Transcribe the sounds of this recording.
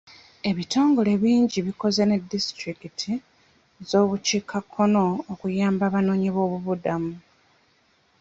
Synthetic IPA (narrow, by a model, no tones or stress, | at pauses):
e̞βitʰo̞ːŋɡo̞le̞βiːɲɟiβiko̞zene̞distɾikitʰi | zo̞ːβuciːkʰakʰːo̞no̞ːkujaːmbaβano̞ːɲiβo̞ːβuβudamu